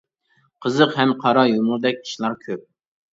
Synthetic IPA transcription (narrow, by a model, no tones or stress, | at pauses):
qʰəzəqɦɛmqʰɑɾɑjomʊɾˠd̪ɛk̚ʲʰi̥ʃlˠɑɾkʲʰøp̚